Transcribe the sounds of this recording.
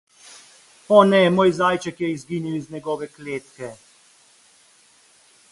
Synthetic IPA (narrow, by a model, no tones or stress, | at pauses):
ɔnɛmoːjzaːjt͡ʃɛkjɛizɡiːniwiznɛɡɔːʋɛkleːt̪kɛ